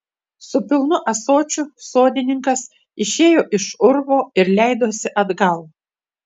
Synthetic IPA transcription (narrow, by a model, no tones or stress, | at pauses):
sʊpʲɪlˠnʊʔɐsoːt͡ʃʲʊsoːd̪ʲɪnʲɪŋkɐs | ɪʃʲeːjoːʔɪʃʊɾʋoːɪɾlʲæˑɪd̪oːsʲɪʔɐd̪ɡɐlˠ